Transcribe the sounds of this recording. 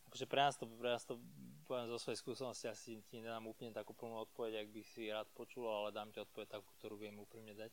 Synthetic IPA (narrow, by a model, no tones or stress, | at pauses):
akɔʒɛpɾɛnaːst̪ɔpɾɛnaːst̪ɔpɔʋɛmzɔsʋɔjɛskuːsɛnɔsciasiciɲɛd̪aːmuːplɲɛt̪akuːpl̩nuːɔt̪̚pɔʋɛɟaɡbisiɾaːt̪pɔt͡ʃulalalɛd̪aːmciɔt̪̚pɔʋɛc̚t̪akuːk̚t̪ɔɾuːʋɪɛmupɾimɲɛd̪ac